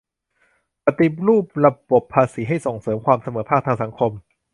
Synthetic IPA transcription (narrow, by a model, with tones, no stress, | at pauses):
pa˧t̪i˨˦pɾuː˥˩p̚ɾa˧bo˨˩pʰːaː˧siː˩˦ɦa˥˩jso˨˩ŋsɤː˩˦mkʰwaː˧msa˧mɤː˩˦pʰaː˥˩k̚t̪ʰaː˧ŋsa˩˦ŋkʰo˧m